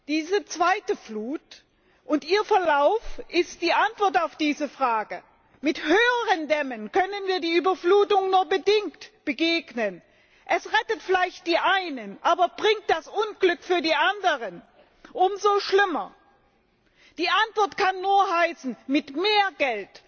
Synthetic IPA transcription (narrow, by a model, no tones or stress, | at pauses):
d̥iːzət͡sv̥aɪtəfluːt | ʔʊntʔiːɐfɛɐlaʊfʔɪst̚d̥iːʔantv̥ɔɐtaʊfd̥iːzəfʁ̥aːɡə | mɪthøːəʁəndɛmənkʰœnənviːɐdiːyːbɐfluːtʊŋnuːɐbədɪŋktb̥əɡeːɡnən | ʔɛsʁɛtətfɪlaɪçt̚d̥iːʔaɪnənʔaːbɐb̥ʁɪŋt̚d̥asʔʊnɡlʏkfyːɐdiːʔandəʁən | ʔʊmzoːʃlɪmɐ | d̥iːʔantv̥ɔɐtkʰanːuːɐhaɪsn̩mɪtmeːɐɡɛlt